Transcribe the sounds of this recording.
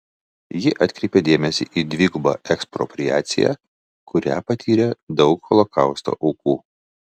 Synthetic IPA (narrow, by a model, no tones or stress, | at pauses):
jɪʔɐt̪ʲkʲɾʲɛɪpʲɛd̪ʲeːmʲɛsʲḭʔiːd̪ʲʋʲiːɡʊbɑ̰ːʔɛkspɾɔ̰pʲɾʲɪjæːt̪sʲɪ̰jæ̰ː | kʊɾʲæ̰ːpɐt̪ʲʰiːɾʲɛd̪ɒʊkhɔlˠɔkɑˑʊst̪o̰ːʔɐʊkuː